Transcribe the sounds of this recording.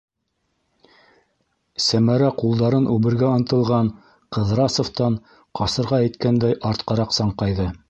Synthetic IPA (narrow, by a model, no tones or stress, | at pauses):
sæmæɾæqulˠd̪ɑɾɤnʔʉβɘ̆ɾɡæŏnt̪ɤ̆lˠʁɑɴ | qɤ̆ðɾɑsŏft̪ɑɴ | qɑsɤ̆ɾʁɑæjt̪kænd̪æjʔɑɾt̪qɑɾɑqsɑɴqɑjðɤ